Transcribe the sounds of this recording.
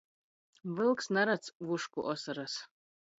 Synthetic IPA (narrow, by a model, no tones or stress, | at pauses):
vɨlˠksnaɾat͡sʰvuʂkʷʼʊʔosaɾas